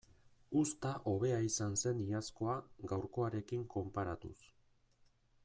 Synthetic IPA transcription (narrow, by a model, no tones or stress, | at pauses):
ust̪aʔo̞βe̞aisanse̞niasko̞aɡawɾko̞aɾe̞kiŋko̞mpaɾat̪ṵs